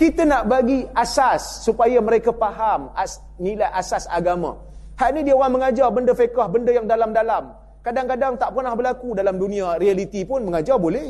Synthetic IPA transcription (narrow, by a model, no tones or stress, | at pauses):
kit̪ənaʔbaɡiasasːupajamə̃ɾekapaɦamas | nilajʔasasa̰ɡamã̰ | haʔnĩdiawaŋməŋad͡ʒarbəndəfekahbəndəjaŋdalamdalam | kadaŋkadaŋt̪aʔpərnahbərlakudalamdunĩarialit̪ipʊnməŋad͡ʒarbolɛh